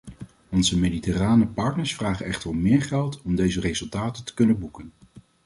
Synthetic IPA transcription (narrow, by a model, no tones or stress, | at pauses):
ɔnzəmejditɛraːnəpɑɹtnəɹsfraːχənɛχtərɔmːɪːɹχɛlˠtɔmdejzərejzɵlˠtaːtəntə̥kɵnənbukən